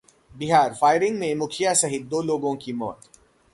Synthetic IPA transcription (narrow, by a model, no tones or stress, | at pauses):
bɪɦaːɾfaːɪɾɪ̃ŋɡmẽmʊkʰɪjasɐɦɪt̪̚d̪oːloːɡõkimɔ̰ːt̪